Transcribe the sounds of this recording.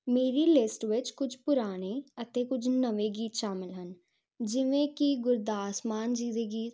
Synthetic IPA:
meːɾilɪsʈʋɪt͡ʃkʊt͡ʃʰpʊɾaːneət̪ekʊt͡ʃʰnəʋeɡiːt̪ʃaːmɪlɦən | d͡ʒɪʋẽkiɡʊɾd̪aːsmaːnd͡ʒiːd̪eɡiːt̪

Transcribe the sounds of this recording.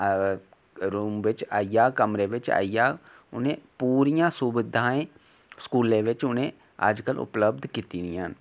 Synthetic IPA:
ɾuːmʋɪt͡ʃaːijaːkəmɾeʋɪt͡ʃa̰ːjaː | ʊnẽpuːɾijãːsʊbɪd̪ʱãːẽ | skuːlẽʋɪt͡ʃʊnẽ | a̰ːd͡ʒkəlʊ̰pləb̚d̪ʱkiːt̪inijan

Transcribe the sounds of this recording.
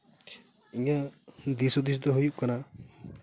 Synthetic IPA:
iɲad̪isɔd̪is̬d̪ɔɦujuʔkana

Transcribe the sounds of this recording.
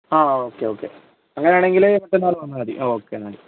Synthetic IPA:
aːoːkːeoːkːḛ | ɐŋːɐneaːɳe̞ŋɡileʋɐʈ̪ːenaːlɐʋɐnːɐaːd̪ḭʔoːoːkːenaːɽi

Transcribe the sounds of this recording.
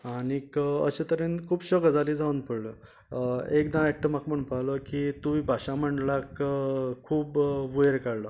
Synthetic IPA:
anikəə̰ɕet̪əɾẽnkʰuːbɕəɡd͡zaliːd͡zaunpəɽlə | ekd̪ãek̚ʈ̪əmakməɳũnpaləkit̪uibʱaɕam̤əɳɖlakkʰuːbʋujeɾkaɽlə

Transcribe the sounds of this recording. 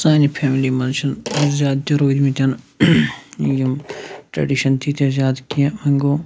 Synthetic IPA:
sãːnipʰɛːmilimɐnʃɐnɐzjaːd̪̚t̪ɐɾoːd̪mit̪ʲɐn | jɐmʈɾɐ̰ɖiʃɐnt̪ʰit̪ʰzjaːd̪kiɐ̃mɐŋɡoː

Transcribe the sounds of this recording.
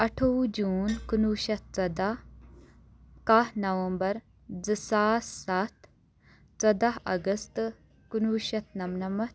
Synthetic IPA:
ɐʈʰowd͡ʒuːnkunuːʃɐt̪̚t͡sɐd̪aɦ | kaɦnɐʋɐmbɐɾ | d͡zɨsaːssat̪ʰ | t͡sɐd̪ɐɦɐ̰ɡɐst̪ | kunuːʃɐt̪nɐmnɐmɐ

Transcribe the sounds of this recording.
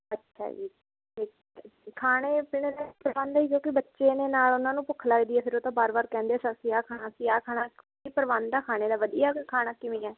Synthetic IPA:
ətːʃʰa̰ːd͡ʒḭː | eː | kʰaːneːpɪɽed̪aːpəɾʋaːnd̪aːiːkõːkɪbətːʃeːneːnaːlʊnãːnũːpʊkʰːlaːɡd̪iːɛːpʰɪɾoːt̪ãːbaːɾbaːɾkɛ̃ːnd̪esəksiːaːkʰaːnaːsiːaːkʰaːnaː | iːpəɾʋaːnd̪aːkʰaːñeːd̪aːʋəd̪ijaːkʰaːnaːkɪʋĩːɛː

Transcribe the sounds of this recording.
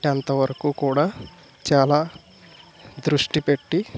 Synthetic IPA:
ɐnt̪ɐʋɐɾɐkuːkuːɽaː | t͡ʃaːlaː | d̪ɾuʂʈipeʈːi

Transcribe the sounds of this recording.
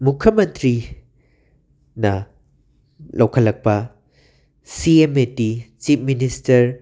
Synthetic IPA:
mukʰːjɐmɐntʰɾi | nɐ | lʔɐwkʰɐlɐk̚pɐ | siemetit͡ʃipʰministɐɾ

